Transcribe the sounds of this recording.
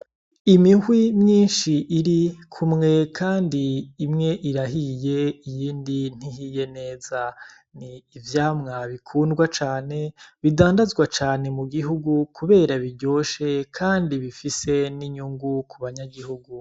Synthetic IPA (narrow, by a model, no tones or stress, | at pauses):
imihwimɲiːnʃiʔiɾikʰumŋe̞kʰaːndiːmŋe̞ʔiɾaɦije̞ijiːndin̥iɦije̞ne̞ːza | niːvjaːmŋaβikʰuːndɡwat͡ʃaːne̞βidaːndazɡwat͡ʃaːne̞muɡiɦuɡukʰuβe̞ːɾaβiɟo̞ːʃe̞kʰaːndiβifise̞niɲuŋɡukʰuβaɲaɡihuɡu